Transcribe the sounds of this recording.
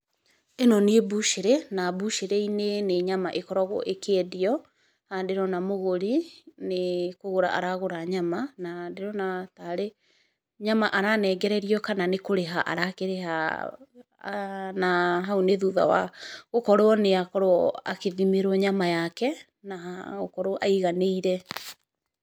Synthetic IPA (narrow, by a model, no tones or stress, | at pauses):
enɔneebuʃeɾenabuʃeɾeineneɲamaʔekɔɾɔɣo̰ʔekeɛdeɔ | handeɾɔnamoɣoɾinekoɣoɾa̰ʔa̰ɾaɣoɾaɲamanandeɾɔnataɾe | ɲamaʔaɾanɛːɡɛɾɛɾiɔkananekoɾeɦaʔa̰ɾakeɾeha̰ | naɦaoneðuða̰wa̰ɣokɔɾoɔneakɔɾoa̰keðimeɾɔɲamajakɛ | naaɣo̰kɔɾoʔaiɣaneiɾɛ